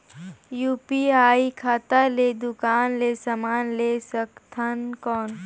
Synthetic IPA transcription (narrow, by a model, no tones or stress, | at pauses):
juːpiaːikʰaːt̪aled̪ʊkaːnleːsamaːnlesəkt̪ʰənkɔːn